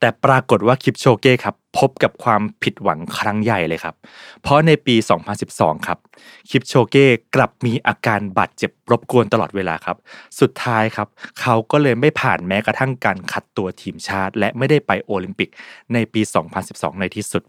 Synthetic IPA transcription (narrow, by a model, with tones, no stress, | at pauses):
t̪ɛː˨˩pɾaː˧ko˨˩t̪̚waː˥˩kʰi˦˥p̚t͡ɕʰoː˧keː˥˩kʰa˦˥pʰːo˦˥p̚ka˨˩p̚kʰwaː˧mpʰi˨˩t̪̚wa˩˦ŋkʰɾa˦˥ŋja˨˩jlɤː˧jkʰa˦˥p̚pʰːɾɔ˦˥na˧jpiː˧sɔː˩˦ŋpʰa˧nsi˨˩p̚sɔ̰ː˩˦ŋkʰa˦˥p̚ | kʰi˦˥p̚t͡ɕʰoː˧keː˥˩kla˨˩p̚miː˧ʔaː˧kaː˧nbaː˨˩t̪̚t͡ɕe˨˩p̚ɾo˦˥p̚ku˧ənt̪a˧lɔː˨˩t̪̚weː˧laː˧kʰa˦˥p̚su˨˩t̪ʰːaː˦˥jkʰa˦˥p̚kʰa˦˥wkɔː˥˩lɤː˧jma˥˩jpʰaː˨˩nmɛː˦˥kɾa˧t̪ʰa˥˩ŋkaː˧nkʰa˨˩t̪ːu˧ɐt̪ʰiː˧mt͡ɕʰaː˥˩t̪̚lɛ˦˥ʔma˥˩jda˥˩jpa˧jʔoː˧li˧mpi˨˩k̚na˧jpiː˧sɔː˩˦ŋpʰa˧nsi˨˩p̚sɔ̰ː˩˦ŋna˧jt̪ʰiː˥˩su˨˩t̪̚